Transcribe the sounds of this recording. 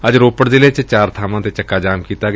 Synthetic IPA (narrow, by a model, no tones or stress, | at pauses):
əd͡ʒɾoːpəɽd̪ɪleːt͡ʃt͡ʃaːɾt̪ʰaːmãːt̪eːt͡ʃəkːaːd͡ʒaːmkiːt̪aːɡ